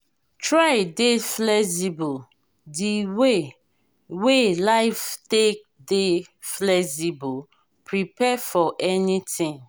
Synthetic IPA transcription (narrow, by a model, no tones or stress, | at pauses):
tɹaɪdeflɛsibu | diwe | welaɪftek̚de | flɛsibu | pɹipɛfɔʔɛnitĩŋ